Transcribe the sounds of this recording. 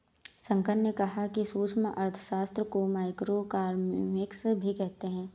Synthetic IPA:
sɐ̃ŋkənnekɐɦakisuːt͡ʃmã̰ʔɐɾt̪ʰə̥ʃaːst̪ɾəkomaːɪkɾokaːɾmmɪksbʱikɛɦt̪eɦɛ̃ː

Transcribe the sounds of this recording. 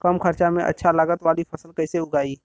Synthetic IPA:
kəmkʰəɾt͡ʃamẽʔɐ̰tːʃʰalaːɡət̪ʋaːlipʰɐsəlkɛɪseʊɡaːiː

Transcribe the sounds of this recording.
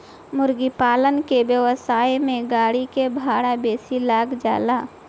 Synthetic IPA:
mʊɾɡipaːlənkebjəwəsaːjmẽɡaːɽikebʱaːɽabeːsilaːɡd͡ʒa̰ːlaː

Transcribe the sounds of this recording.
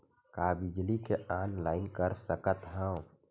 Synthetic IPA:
kabid͡ʒlikeʔanlaːɪnkəɾsəkət̪ɦãw

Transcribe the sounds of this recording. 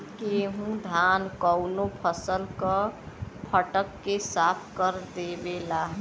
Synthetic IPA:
keɦũd̪ʱankəwnopʰəsəlkə | pʰəʈəkːesapʰkəɾd̪ebelaɦ

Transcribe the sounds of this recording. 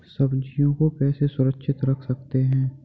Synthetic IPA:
sɐbd͡ʒijõkopɛːsesʊɾəkʃʰɪt̪ɾɐkʰsɐk̚t̪eɦɛ̃ː

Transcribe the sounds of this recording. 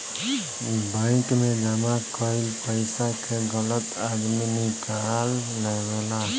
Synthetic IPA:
baɪ̃kmẽd͡ʒəmakɔɪlpəɪsakʰeɡələt̪ad̪minɪkalː | eɡela

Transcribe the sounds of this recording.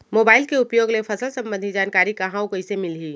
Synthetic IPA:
moːbaːɪlkeʊpjoːɡlepʰəsəlsɐ̃mbənd̪ʱid͡ʒaːnkaːɾikaɦãokoɪsemɪlɦiː

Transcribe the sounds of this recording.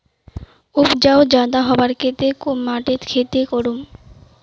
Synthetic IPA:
ubd͡ʑaod͡ʑad̪aɦɔbaɾkʰet̪ekomːaʈeɾkʰet̪ekoɾum

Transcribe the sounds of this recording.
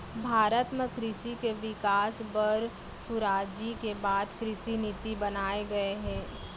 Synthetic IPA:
bʱaːɾət̪mẽkɾɪʃikeʋɪkaːsbəɾ | sʊɾaːd͡ʒikebaːd̪kɾɪʃinɪt̪ibɐnaːeɡɐeɦɛ̃ː

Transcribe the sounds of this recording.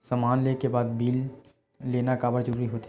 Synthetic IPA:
samaːnleːkebaːd̪biːl | leːnakaːbəɽd͡ʒəɾuːɾiɦoːt̪ː

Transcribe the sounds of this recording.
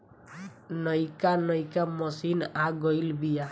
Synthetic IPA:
nʌjkanʌjkamʌsinaɡʌjlbija

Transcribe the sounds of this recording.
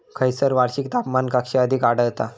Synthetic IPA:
kʰəjsəɾʋaɽɕik̚t̪apmankakɕeəd̪ʱikaɽəɭt̪a

